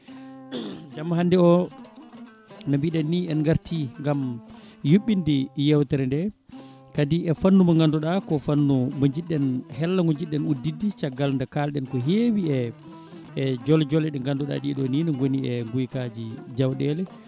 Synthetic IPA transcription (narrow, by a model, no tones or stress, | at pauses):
d͡ʒamːaɦandɛɔ | nabiɗanːiɛnŋɡaɾtiŋɡamjuɓːindijɛwtɛɾɛndɛ | kadiɛfanːumaŋɡanduɗakɔfanːumaɲd͡ʒiɗːɛnhɛlːaŋɡɔɲd͡ʒiɗːɛnudːidːit͡ʃaɡːalndɛkalɗɛnkɔɦewiɛ | d͡ʒɔld͡ʒɔlɛɗɛŋɡanduɗa̰ɗiɛɗɔninɛŋɡoniɛŋɡujkad͡ʒid͡ʒawɗɛlɛ